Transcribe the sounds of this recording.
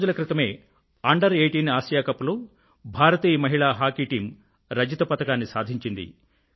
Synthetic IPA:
d͡ʒulɐkɾit̪ɐme̞ː | aːɳɖɐɾeːʈiːniaːsjaːkɐpulu | bʱaːɾɐt̪iːjɐmɐɦiɭaːɦaːkiːʈiːm | ɾɐd͡ʒit̪ɐpɐt̪ɐkaːnːisaːd̪ʱiɲt͡ʃind̪ḭ

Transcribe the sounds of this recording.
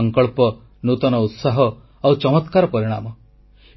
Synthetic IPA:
ɔŋkɔɭpɔ | nut̪ɔnɔut̪saɦɔ | awt͡ʃɔmɔt̪kaɾɔpɔɾiɽ̃a̰mɔ

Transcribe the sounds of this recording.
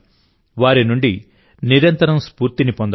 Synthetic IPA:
ʋaːɾinuɳɖi | niɾɐnt̪ɐɾɐmspuːɾt̪inipond̪

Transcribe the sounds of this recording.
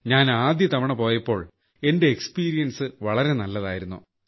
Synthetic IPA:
ɲaːnaːd̪jɐt̪ɐʋɐɳɐpo̞ːjɐpːo̞ːɭ | e̞nde̞ːkspiːɾijɐnsɨʋɐɭɐɾe̞nɐlːɐða̰ːjiɾunːu

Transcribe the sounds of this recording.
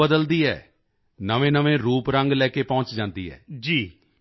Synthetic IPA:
əd̪əld̪iːɦɛ̰ː | nəʋẽːnəʋẽːɾuːpɾəŋɡlɛːkeːpɔ̃ːɲt͡ʃd͡ʒãːnd̪ḭːɦɛ̰ːd͡ʒiː

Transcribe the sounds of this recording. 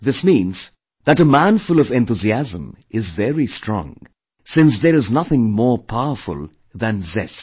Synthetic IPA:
ðɪsmĩnz̥ | ðətəmæ̃nfʊlʌvɛ̃nt̪uziæzə̃m | ɪzvɛɹistʰɹ̥ɔ̰̃ŋ | sɪ̃ns̬ðəɾɨznʌθɪ̃ŋmɔːɹpʰaʊəfʊ̰lˠ | ðæ̃nzɛ̰s

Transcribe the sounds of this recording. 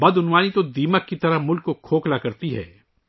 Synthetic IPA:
bɐd̪ʊnwaːnit̪od̪iːməkːit̪ɐɾəmʊlkːokʰoːklakɐɾt̪iɦɛ̰ː

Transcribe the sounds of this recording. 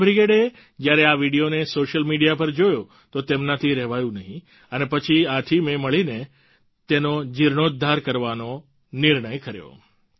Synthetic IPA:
bɾiɡeɽe | d͡ʒjaɾeaʋiɽijonesoʃəlmiɽijapəɾd͡ʒojo | t̪ot̪emnat̪ʰiɾɛɦʋajũnəɦĩ | ənepət͡ʃʰiat̪ʰimẽməɭine | t̪enod͡ʒiɾɳod̪ʱːaɾkəɾʋano | nɪɾɳ̃əjkəɾjo̰

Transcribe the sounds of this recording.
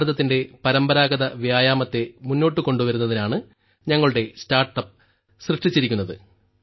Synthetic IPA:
ɾɐðɐt̪ːinde̞pɐɾɐmbɐɾaːɡɐðɐʋjaːjaːmɐt̪ːe̞munːo̞ːʈːɨko̞ɳɖuʋɐɾunːɐðinaːɳɨ | ɲɐŋːɐɭuɽe̞staːrʈːɐp̚ː | srɨʂʈit͡ɕːiɾikʲːunːɐðɨ̰

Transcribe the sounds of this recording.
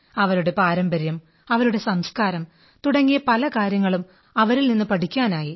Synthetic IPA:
ɐʋɐɾuɽe̞paːɾɐmbɐɾjɐm | ɐʋɐɾuɽe̞sɐmskaːɾɐm | t̪uɽɐŋːijɐpɐlɐkaːɾjɐŋːɐɭum | ɐʋɐɾilninːɨpɐʈikʲːaːnaːji

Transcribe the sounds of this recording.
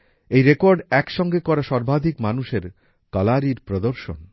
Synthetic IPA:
ejɾekoɾɖɛkʃɔŋɡekɔɾaʃɔɾbʱad̪ʱikmanuʃeɾ | kalaɾiɾpɾod̪oɾʃo̰n

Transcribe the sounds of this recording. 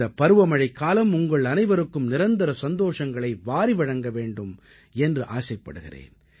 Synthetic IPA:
ɐpːɐɾɯʋɐmɐɻɐɪkːaːlɐmʊŋɡɐɭɐnɐɪʋɐɾɯkːɯmnɪɾɐnd̪ɐɾɐsɐnd̪oːʂɐŋɡɐɭɐɪʋaːɾiʋɐɻɐŋɡɐʋeːɳɖɯm | ɛndrɯʔaːsɐɪpːɐ̰ɽɯɣɪ̰rḛːn

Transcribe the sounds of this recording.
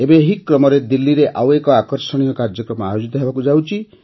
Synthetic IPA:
ebeɦikːɾɔmɔɾed̪ilːiɾeʔawekɔakɔɾsɔɽ̃iɔkaɾd͡ʒɔkɾɔmɔajod͡ʒit̪ɔɦebakud͡ʒawt͡ʃʰi

